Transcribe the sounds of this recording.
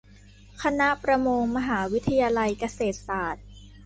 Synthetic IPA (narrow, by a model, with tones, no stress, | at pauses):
kʰa˧na˦˥ʔpɾa˧moː˧ŋma˧ɦaː˩˦wi˦˥t̪ʰa˧jaː˧la˧jka˧seː˨˩t̪̚saː˨˩t̪̚